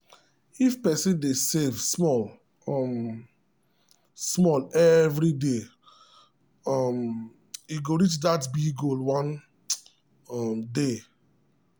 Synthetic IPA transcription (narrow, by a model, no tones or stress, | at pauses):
ifpɛsĩndesevsmɔl | ɔm | smɔlɛvɾide | ɔm | iɡoɹit͡ʃdatbiɡolwãn | ɔmde